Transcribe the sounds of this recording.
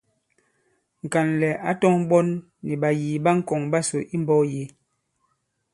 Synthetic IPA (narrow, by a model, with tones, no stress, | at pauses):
ŋ̩˨ka˨nlɛ˨a˦tɔ˦ŋɓɔ˦nː | i˨ɓa˨jiː˨ba˦ŋ̩˦kɔ˨ŋba˦so˨ʔi˦m˦bɔ˦je˨˦